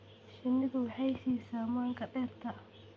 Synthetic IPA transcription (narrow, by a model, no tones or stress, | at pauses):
ʃɪnːɪðʊwɑħɑjsiːsaːmaːŋkʰɐɖɛːrt̪ʰɐ